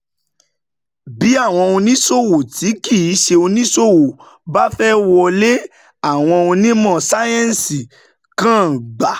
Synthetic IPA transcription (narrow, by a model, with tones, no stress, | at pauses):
bi˨˦a˦˨w̃ɔ̃˧o˧nĩ˦so˦˨wo˨ti˨˦ɡi˦˨i˨˦ʃe˧o˧nĩ˦so˦˨wo˨ | ba˦fɛ˦wɔ˧le˦ | a˦˨w̃ɔ̃˧o˧nĩ˦mɔ̃˦˨sa˦jɛ̃˦n˨si˨ | kã˦˨ɡ͡ba˨˦